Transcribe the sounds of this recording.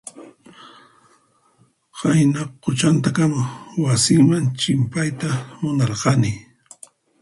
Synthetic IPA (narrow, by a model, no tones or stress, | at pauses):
hajnɑqːʊt͡ʃant̪akamawasɪŋmant͡ʃɪmpajt̪amʊnɑɾqɑnɪ